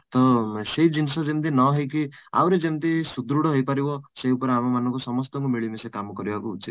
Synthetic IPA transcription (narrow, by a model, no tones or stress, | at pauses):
t̪ɔseɦid͡ʒinsɔd͡ʒemt̪̬inɔɦejkia̰wɾed͡ʒemt̪isud̪ɾuɽɔɦojpaɾibɔseupɔɾeamɔmanɔŋkusɔmɔst̪ɔŋkumiɭimesekamɔkɔɾibakuːt͡ʃʰit̪